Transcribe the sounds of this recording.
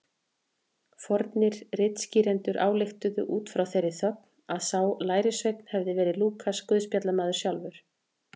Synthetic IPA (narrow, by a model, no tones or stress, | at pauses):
fɔɾt̪nɪɾrɪt̪sciːɾɛnt̪ʏɾʔa̰ːwlɪxt̪ʏðʏʔuːt̪fɾawθejɾːɪθœk̚naðsawlaːjɾɪsvejk̪̚n̥hɛvðɪvɛːɾɪluːkʰaskʏːðspjat̪lamaːðʏɾsjawlvʏɾ̥